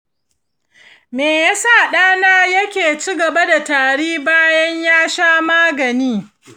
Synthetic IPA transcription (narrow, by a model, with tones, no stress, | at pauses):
meː˨ja˦sa˦˨ɗaː˦naː˦jɐ˦kʲeː˨t͡ʃiː˦ɡɐ˨ba˦da˨taː˨ɽiː˦baː˦jɐ˦ɲjaː˦ʃaː˦maː˦ɡɐ˨niː˦